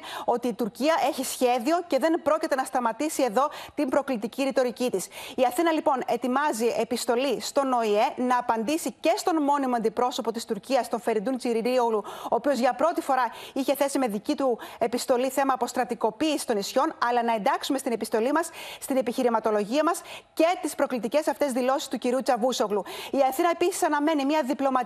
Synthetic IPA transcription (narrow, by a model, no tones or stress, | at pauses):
o̞t̪iːt̪uɾciɐʔe̞çisçe̞ðio̞ce̞ðe̞npɾo̞cit̪e̞nɐst̪ɐmɐt̪isie̞ðo̞t̪imbɾo̞klit̪iciɾit̪o̞ɾicit̪isiɐθinɐlipo̞ne̞t̪imɐzie̞pist̪o̞list̪o̞no̞ie̞nɐːpɐnd̪isice̞st̪o̞nmo̞nimoɐnd̪ipɾo̞so̞po̞t̪ist̪uɾciɐst̪o̞ɱfe̞ɾind̪unt͡siɾiɾioluo̞ːpio̞zʝɐpɾo̞t̪ifo̞ɾɐiçe̞θe̞sime̞ðicit̪ue̞pist̪o̞liθe̞mɐːpo̞st̪ɾɐt̪iko̞piːsist̪o̞nisço̞nɐlɐnɐe̞nd̪ɐksumest̪ine̞pist̪o̞limɐsːt̪ine̞piçiɾimɐt̪o̞lo̞ʝiɐmɐsce̞t̪ispɾo̞klit̪ice̞sɐft̪e̞zðilo̞si̥st̪uciɾiut͡sɐvuso̞ɣluiɐθinɐe̞pisi̥sɐnɐme̞nimɲɐðiplo̞mɐ